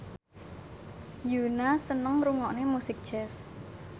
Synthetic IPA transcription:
junasənəŋɾuŋɔʔnemusɪk̚d̥ʒ̥ɛs

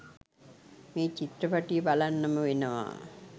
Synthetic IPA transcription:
meːt͡ɕit̪ɾɐpɐʈijbalanːɐmɐʋenɐʋa̰ː

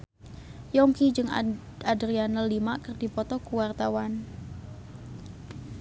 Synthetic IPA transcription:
jɔŋkid͡ʒɨŋ | adɾianəlːimaʔkərd̥i̤pɔt̪ɔkuwart̪awan

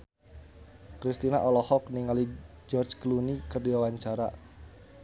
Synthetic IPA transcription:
kɾist̪ina̰ʔɔlɔhɔk̚niŋali | d͡ʒɔrt͡ʃklunikərdiawaɲt͡ʃaɾa̰

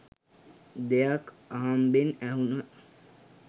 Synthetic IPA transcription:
d̪ejak | aɦambenæɦunə

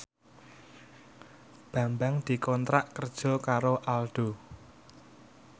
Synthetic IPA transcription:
b̥ä̤mbaŋd̪̥i̤kɔnt̪ɾaʔkərd̥ʒ̥ɔ̤kaɾoʔalɖ̥o̤

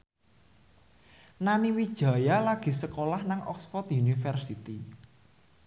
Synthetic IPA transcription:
naniwid̥ʒ̥ä̤jalaɡ̥i̤səkolahnaŋʔɔ̰ksfɔt̪junifərsit̪i

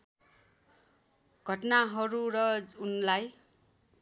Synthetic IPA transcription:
ɡʱʌʈnaɦʌɾuɾʌunlaj

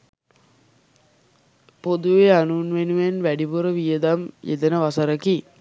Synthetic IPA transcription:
pod̪uʋeanuːnʋenuʋenʋæɖibuɾəʋijəd̪amjʔḛd̪ənəʋasəɾəki

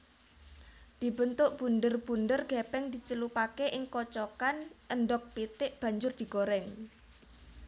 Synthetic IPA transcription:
d̪̥i̤bənt̪ʊʔb̥ṳnd̪ərb̥und̪ərɡ̥ɛpɛŋd̪̥i̤t͡ʃəlupakeʔɪŋkɔt͡ʃɔkanənɖɔk̚pit̪ɪʔb̥a̤ɲd͡ʒʊrd̪̥i̤ɡoɾɛŋ

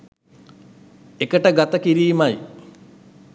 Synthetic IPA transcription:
ekəʈəɡat̪əkiɾiːmɐj

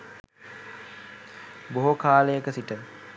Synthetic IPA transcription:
boɦokʰaːləjəkəsiʈə

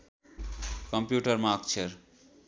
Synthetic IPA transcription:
kʌmpjuʈʌɾmak̚t͡ʃʰeɾ

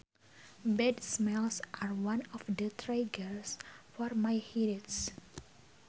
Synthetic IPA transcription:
bɛdsmɛlsʔaɹwãnɔfdətʰɹaɡəɹsfɔrmajhiɾits

